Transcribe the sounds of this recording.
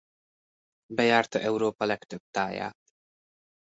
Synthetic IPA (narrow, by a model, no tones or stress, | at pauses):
bɛjaːrt̪ɒʔɛwɾoːpɒlɛkt̪øb̥̚t̪aːja̰ːt̪